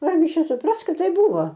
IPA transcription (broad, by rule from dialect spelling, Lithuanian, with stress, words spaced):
ˈɐrʲɡʲɪ ˈt͡ʃʲɛ sʊˈprɐs ˈkɐt ˈtɐɪp ˈbuːʋoː